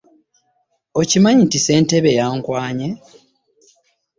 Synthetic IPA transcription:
ocimaɲintise̞ːnte̞βe̞jaːŋkwaːɲe

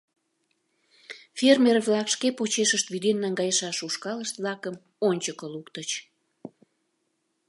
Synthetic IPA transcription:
fermʲerβlɑkʃkepot͡ɕeʃəʃt̪βyd̪enːɑŋɡɑjəʃɑʃuʃkɑləʃt̪βlɑkəm | onʲt͡ɕəkəlukt̪ət͡ɕ

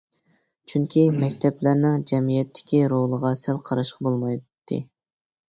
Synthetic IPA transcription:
t͡ʃʰyŋkʲʰimɛkʲt̪ʰɛplæɾnɪŋd͡ʒɛmijɛt̪ʰːɪ̥kʲiɾolˠəʁɑsælˠqʰɑɾɑʃqɑbolˠmɑjt̪ʰːɨ̰

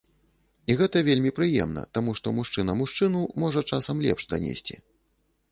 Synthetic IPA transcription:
iɣɛt̪ɐvʲelʲmʲipɾɨjɛ̰mnɐ̰t̪amuʂt̪ɔmuʂt͡ʂɨnɐmuʂt͡ʂɨnumɔʐɐt͡ʂasɐmlʲɛ̰pʂd̪ɐnʲḛsʲt͡sʲḭ

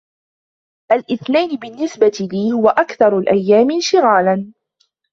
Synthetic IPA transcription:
ʔalʔɪθnajnɪbɪnːɪsbat̪ɪliːhʊwaʔakθɑɾˤlʔajːaːmɪnʃɪɣaːlan

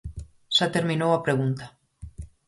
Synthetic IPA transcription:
sat̪eɾmĩnowapɾeɣunt̪ḁ

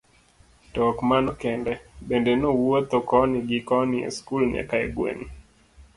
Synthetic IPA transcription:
tɔkmanɔkɛndɛbendɛnowot̪okɔnɪɡɪkɔniḛskulɲɛ̰kaɛ̰ɡwḛn

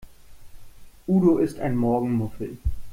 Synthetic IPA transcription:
ʔuːdoʔɪsta̰ɪnmɔɐɡŋ̩mʊfl̩

